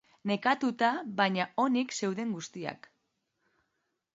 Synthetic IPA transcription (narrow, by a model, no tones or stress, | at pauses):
ne̞kat̪ut̪aβaɲao̞nikse̞wðe̞ŋɡust̪ia̰k